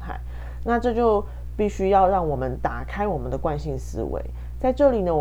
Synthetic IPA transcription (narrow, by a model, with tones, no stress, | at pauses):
t̪ʰa̰˥˩ɪ | na˥˧ʈ͡ʂɤ˥˧t͡ɕjo˥˧ʊ | pi˥˩ɕy˥jɑ˥˧ʊɻɑ˥˩ŋwɔ˨˩mə˦nt̪a˨˩kʰa˥ɪwɔ˨˩mə˨nd̪ə˨kwa˥˧nɕi˥˨nsɹ̩̰˥wḛ˧˦ɪ | t͡sa˥˧ɪʈ͡ʂɤ˥˩li˨˩d̪ə˦w